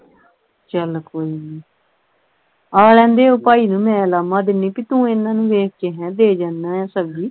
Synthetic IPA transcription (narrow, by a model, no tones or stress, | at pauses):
t͡ʃəlkoːiːniː | aːlɛ̃ːnd̪eːoːpaːiːnũːmɛ̃ːlaːmãːd̪ɪniːpiːt̪ũːɪnːãːnũːʋeːk̚ʰkeːɦɛ̃ːd̪eːd͡ʒaːnːãːjɛ̃ːsəbd͡ʒiː